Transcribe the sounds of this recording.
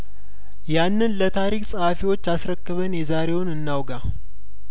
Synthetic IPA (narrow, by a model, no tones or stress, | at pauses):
janːɨnlət̪ʰaɾikʼsʼəhafiwo̞t͡ʃːasɾəkːɨβənjɛzaɾe̞wʊnɨnːawɡa